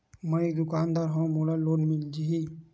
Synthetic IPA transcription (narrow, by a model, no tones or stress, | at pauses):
məed̪ʊkaːnd̪aːɾɦõmoɽaloːnmɪld͡ʒii